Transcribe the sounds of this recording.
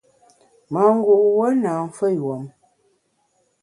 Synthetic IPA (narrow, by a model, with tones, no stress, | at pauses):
ma˨ŋ̩˦ɡu˨ʔwə˦na˨ɱ̩˦fə˦wo˨m